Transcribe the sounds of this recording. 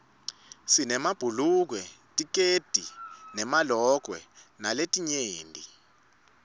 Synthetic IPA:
sinɛmab̥ʱuluk̬wɛtʼik̬ʼed̥ʱinɛmalɔk̬wɛnaletʼiɲeːndʱi

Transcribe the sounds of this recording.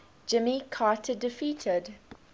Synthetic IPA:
d͡ʒɪmikʰɑːˑtʰədɪfiːˑtʰɪd

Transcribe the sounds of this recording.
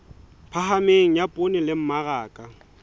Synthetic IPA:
pʰaɦameŋ̩japʼonɪlɪm̩maraːkʼa

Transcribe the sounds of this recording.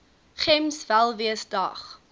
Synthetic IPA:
χɛmsvælˠviəsdɐ̰χ

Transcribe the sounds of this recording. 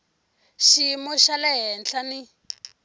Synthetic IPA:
ʃimɔʃalɛɦɛnɬani

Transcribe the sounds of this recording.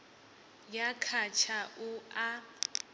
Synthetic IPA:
jakʰat͡ʃʰaʔua

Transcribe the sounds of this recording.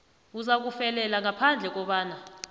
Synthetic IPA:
uzak̬ufɛlɛlaŋapʰand͡ɮʱɛk̬ɔɓaːna

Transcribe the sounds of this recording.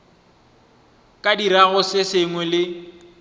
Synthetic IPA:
kʼadiɾaɣʊsɪsɪŋwɛlɪ

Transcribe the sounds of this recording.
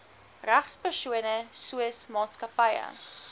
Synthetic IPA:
ræχspərsuənəsuəsmɑːtskɐpəjə̰

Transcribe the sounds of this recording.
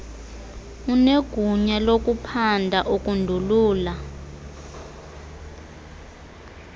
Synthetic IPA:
uneɡ̥ʱuɲalok̬ʼupʰandʱaʔuk̬ʼundʱuluːla

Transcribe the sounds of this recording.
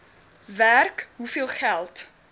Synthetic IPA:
værkɦufiəlˠχælˠt

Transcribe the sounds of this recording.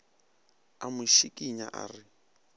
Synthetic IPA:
amʊʃikʼiɲa̰ʔa̰ːrɪ

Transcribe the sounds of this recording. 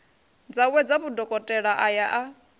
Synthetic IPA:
d͡zawɛd͡zaβudɔkʼɔtʼɛɺaʔajaʔa

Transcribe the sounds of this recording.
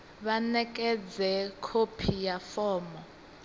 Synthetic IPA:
βanɛkʼɛd͡zɛkʰopʰijafɔːmɔ

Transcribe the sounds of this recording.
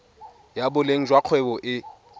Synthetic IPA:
jabʊleŋ̩d͡ʒwaq͡χʰwɛbɔʔɪ

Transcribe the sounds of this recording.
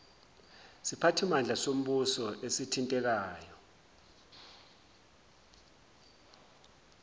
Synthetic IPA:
sipʰatʰimand͡ɮʱasom̩ɓusɔʔesitʰintʼɛk̬aːjɔ

